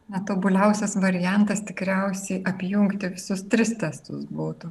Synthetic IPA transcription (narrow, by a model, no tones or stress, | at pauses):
nʲɛt̪oːbʊlʲɛʊsʲɛsʋɐɾʲɪjɛnt̪ɐst̪ʲɪkɾʲɛʊsʲɛɪʔɐpʲjʊŋkt̪ʲɪʋʲɪsʊst̪ʲɾʲɪst̪ʲɛst̪ʊsbuːt̪ʊ